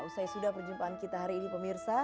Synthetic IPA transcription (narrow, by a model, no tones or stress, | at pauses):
usajsudahpərd͡ʒumpaːnkit̪aɦaɾiːnipəmirsa